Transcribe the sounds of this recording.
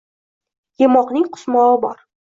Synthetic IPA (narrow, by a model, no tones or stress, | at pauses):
jemɒqnɪŋqʰʊ̥smɒɪbɒɾ